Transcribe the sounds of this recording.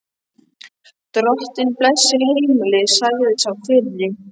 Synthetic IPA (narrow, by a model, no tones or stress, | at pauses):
t̪ɾɔht̪ɪnplɛsːɪhejmɪlɪsajɣðɪsawfɪt̪ʎɪ